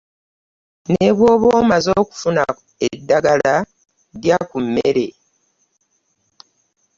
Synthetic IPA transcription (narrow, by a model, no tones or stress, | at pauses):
ne̞βwo̞ːβwoːmazo̞ːku̥funa̰ | edːaɡala | djakumːḛɾe̞